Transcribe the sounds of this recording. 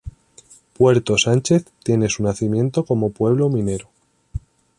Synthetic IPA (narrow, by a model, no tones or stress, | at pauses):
pwe̞ɾt̪o̞sant͡ʃe̞θt̪je̞ne̞sunaθimjẽ̞nt̪o̞ko̞mo̞pwe̞β̞lomĩne̞ɾo